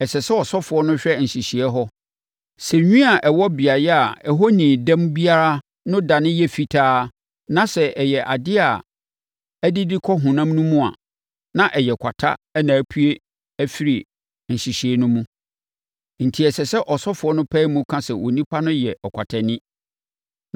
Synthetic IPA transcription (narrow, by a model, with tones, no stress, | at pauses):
ɛ˨sɛ˨sɛ˦ɔ˨sɔ˦fʊ˨˦ɔ˦nʊ̃˦ɕᶣɛ˦n̩˨ɕi˨ɕi˨ɛ˦ɦɔ˦ | sɛ˨ɲᶣĩ˦a˨ʔɛ˨wɔ˦bi˨a˨jɛ˦a˨ɛ˨ɦɔ˦nĩː˨dã˦mbi˦a˦ɾa˦ | nʊ̃˦da˨nɪ̃˦jɛ˦fi˨tʰaː˦ | nã˦sɛ˨ʔɛ˨jɛ˨ʔa˨dɪ˦a˨ | æ˦dɪ˦dɪ˦kʰɔ˦ɦʊ̃˨nã˦mnũ˦mũ˦a̰˨ | nã˦ʔɛ˨jɛ˨kʷʰa˨tʰa̰˦ɛ˦nãː˨æ˦pʰu˦e˦ | æ˦fi˦ɾi˨ | n̩˨ɕi˨ɕi˨ɛ˦nʊ̃˦mũ˦ | n̩˨tʰi˨ɛ˨sɛ˨sɛ˦ʔɔ˨sɔ˦fʊ˨ɔ˦nʊ̃˦pʰɛ˦mũ˦kʰã˦sɛ˨wʔo˨nĩ˦pʰa˦nʊ̃˦jɛ˨ʔɔ˨kʷʰa˨tʰɛ˨nɪ̃˦